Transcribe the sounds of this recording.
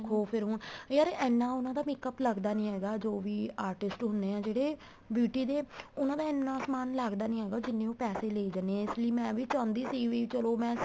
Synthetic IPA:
kʰoːpʰɪɾɦʊːnjaːɾeʔɛːnːãːʊnãːd̪aːmɪkəpləɡd̪aːnĩːɦɛːɡaːd͡ʒoːʋiːaːɾʈɪsʈɦʊnd̪eːãːd͡ʒeːɽeː | bjuːʈiːd̪eːʊnãːd̪aːɪnːãːsmaːnləɡd̪aːnĩːɦɛːɡaːd͡ʒɪnːẽːõːpɛːseːleːid͡ʒəneɪsləiːmɛ̃ːʋiːt͡ʃãːnd̪iːsiːʋiːt͡ʃəloːmɛ̃ː

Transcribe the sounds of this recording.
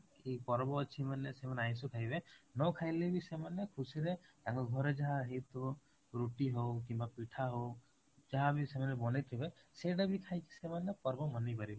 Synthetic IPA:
kipɔɾbɔːt͡ʃʰimanesemaneaj̃sukʰajbenɔkʰajlebisemanekʰusiɾet̪aŋkɔɡʱɔɾed͡ʒaɦãɦet̪u | ɾuʈiɦokimbapiʈʰaɦo | d͡ʒaɦãbisemanebɔnet̪ʰibeseɖabikʰajki̥semanepɔɾbɔmɔnipaɾibe

